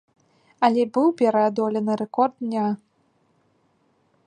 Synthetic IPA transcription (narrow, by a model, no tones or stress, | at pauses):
ɐlʲɛbɨwpʲɛɾɐad̪ɔlʲɛnɨɾɛkɔrd̪nʲa